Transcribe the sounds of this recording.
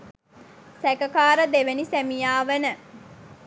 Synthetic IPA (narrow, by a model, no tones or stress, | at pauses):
sækəkaːɾəd̪eʋenisæmijaːʋənə